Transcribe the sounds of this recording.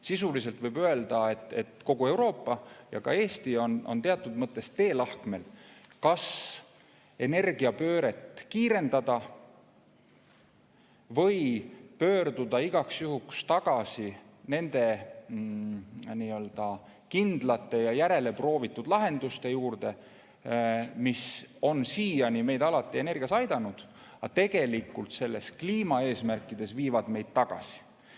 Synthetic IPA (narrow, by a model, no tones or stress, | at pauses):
sisulise̞lt̪vɤjbøe̞ld̪̥ɑe̞t̪ːˑe̞t̪ko̞ɡ̥ue̞wɾo̞ːpˑːɑjɑ̰kɑ̰e̞ːst̪io̞no̞nt̪e̞ɑt̪ːˑud̪̥mɤt̪ˑːe̞st̪e̞ːlɑhkme̞lkɑs | e̞ne̞rɡ̥iɑpø̞ːɾe̞t̪ːˑkiːɾe̞nd̪ɑd̪̥ɑ | vɤjpø̞ːrd̪ud̪ɑiɡ̥ɑksjuhukst̪ɑɡ̥ɑsine̞nd̪̥e̞ | niːø̞ld̪̥ɑ | kind̪̥lɑt̪ːˑe̞jɑjæɾe̞le̞pro̞ːvit̪ˑːud̪̥lɑɦe̞nd̪̥ust̪e̞juːrd̪̥e̞ | miso̞nsiːjɑnʲime̞jd̪ɑlɑt̪ːˑie̞ne̞rɡ̥iɑsɑjd̪̥ɑnud̪̥ | ɑt̪e̞ɡ̥e̞likːˑult̪se̞lːe̞skliːmɑe̞ːsmærkːˑid̪̥e̞sviːvɑd̪̥me̞jd̪̥̚t̪ɑɡ̥ɑ̰si̥